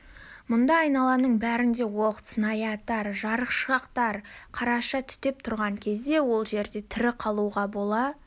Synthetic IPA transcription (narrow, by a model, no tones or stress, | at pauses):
mʊnd̪ɑɑjnɑlˠɑnəɴbæɾɪnd̪e̞woqət̪snɑjɑt̪ːɑɾʒɑɾəqʃʁɑqt̪ɑɾqʰɑɾɑʃɑt̪ʰʏ̥t̪e̞p̚t̪ʰʊɾʁɑŋkʲʰe̞zd̪e̞wo̞lˠʒe̞ɾd̪e̞t̪ʰɪɾɪqʰɑlˠuʁɑbo̞lˠɑ